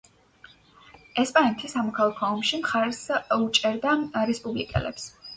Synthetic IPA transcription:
ɛspʼanɛt̪ʰisamɔkʰalˠakʰɔɔmʃimχaɾsut͡ʃʼɛɾd̪aɾɛspʼublḭkʼɛ̰lɛ̰ps

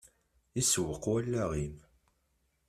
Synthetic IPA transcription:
iswəqwælːæʁim

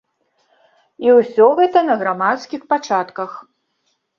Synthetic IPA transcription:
iwsʲɔɣɛt̪ɐnɐɣɾamat̪skʲixpat͡ʂat̪kɐx

